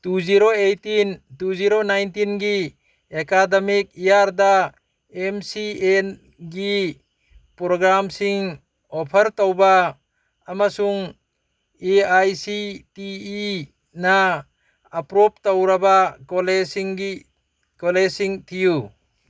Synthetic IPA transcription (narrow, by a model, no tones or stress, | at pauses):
tuziɾoejtintuziɾonajntinɡi | ekademik̚ijaɾda | emsien | ɡi | pɾoɡɾamsiŋ | ɔpʰɐɾtowbaː | masuŋ | eajsitiː | naː | pɾɔp̚towɾabakolesiŋi | kolesiŋtʰiju